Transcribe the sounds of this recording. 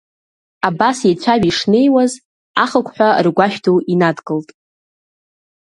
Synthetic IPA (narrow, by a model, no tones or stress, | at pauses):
abasjet͡ɕʷʰaɥiʂne̞jwaz | a̰χəkʷʰʼħʷᶣarɡʷaʃᶣtʰowinadkʼɨltʼ